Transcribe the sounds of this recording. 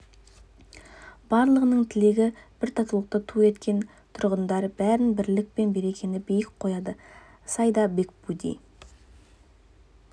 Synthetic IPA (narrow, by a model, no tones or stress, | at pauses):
b̥ɑɾlˠəʁənəɴt̪ʰɪle̞ɡʲɪb̥ɪɾt̪ʰɑt̪əlˠəq̚t̪ət̪ʰue̞t̪kʲe̞n | t̪ʰʊɾʁənd̪ɑɾbæɾɪnbɪɾlɪk̚pe̞nbe̞ɾe̞kʲe̞nɪbijɪkqʰo̞jɑd̪ə | sɑjd̪ɑbe̞kbud̪ḭj